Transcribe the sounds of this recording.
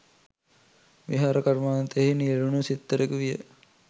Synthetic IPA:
ʋiɦaːɾɐkaɾmaːnt̪eɦinieɾunusit̪ːəɾekəʋijə̰

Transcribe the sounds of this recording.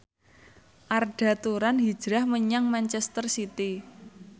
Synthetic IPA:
ʔarɖ̥a̤t̪uɾanɦid̥d͡ʒ̥ɾahməɲaŋmant͡ʃɛst̪ərsit̪i

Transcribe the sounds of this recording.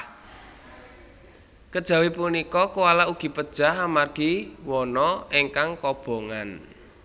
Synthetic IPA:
kəd̥ʒ̥a̤wipunikɔkuwalauɡ̥i̤pəd̥ʒ̥a̤ɦamarɡ̥i̤wɔnɔeŋkaŋkɔb̥o̤ŋan

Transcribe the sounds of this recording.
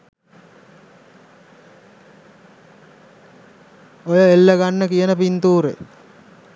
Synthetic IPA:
ojəelːəɡanːəkijənəpint̪uːɾḛ

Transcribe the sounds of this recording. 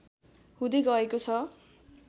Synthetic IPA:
hũd̪eɡʌekot͡sʰʌ

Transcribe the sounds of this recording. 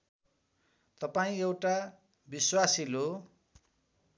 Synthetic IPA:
t̪ʌpaĩewʈa | biswasilo

